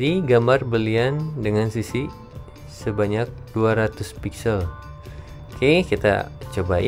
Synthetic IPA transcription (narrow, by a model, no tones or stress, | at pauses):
diɡambarbəliandəŋansisi | səbaɲak̚d̥uaɾat̪ʊspiksəl | kʰekit̪a̰t͡ʃoba